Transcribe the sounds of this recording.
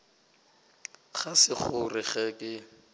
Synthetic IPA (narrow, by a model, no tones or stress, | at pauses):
χasɪχʊrɪχɛkʼɪ